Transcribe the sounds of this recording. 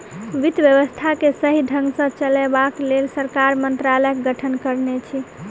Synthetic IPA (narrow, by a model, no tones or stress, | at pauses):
ʋid̪bjəʋəst̪ʰakesəɦiɖʱə̃ŋɡsə̃t͡ʃəlɛbaklelsəɾkaɾmənt̪ɾaləkɡəʈʰənkəɾnet͡ʃʰi